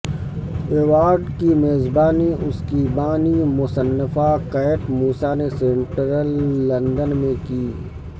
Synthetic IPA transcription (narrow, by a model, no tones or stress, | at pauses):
eːʋaːɾɖkimeːzbaːniʔʊskibaːnimʊsənːəfakɛːɪʈmuːsanesẽɳʈɾəlːɐ̃nd̪ənmẽkiː